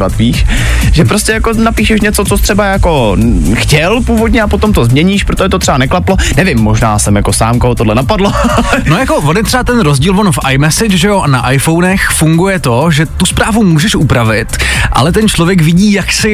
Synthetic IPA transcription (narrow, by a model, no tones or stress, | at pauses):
at̪viːʃ | ʒɛpɾoscɛjako̞napiːʃɛʃɲɛt͡sot͡sot̪r̥ɛbajako̞xcɛlpuːvod̪ɲɛapot̪omt̪ozmɲɛɲiːʃpɾot̪oʒɛt̪ot̪r̥ɛbanɛklaplonɛvɪmːoʒnaːsɛmjako̞saːmkoɦot̪odlɛnapadlono̞jako̞vonjɛt̪r̝̥ɛbat̪ɛnɾozɟiːlvo̞nfʔajmɛsɪt͡ʃʒɛjo̞ʔanaʔajfo̞wnɛxfuŋɡujɛt̪o̞ʒɛt̪uspɾaːvumuːʒɛʃʔupɾavɪt̪ʔa̰lɛt̪ɛnt͡ʃlovjɛkvɪɟiːjaksɪ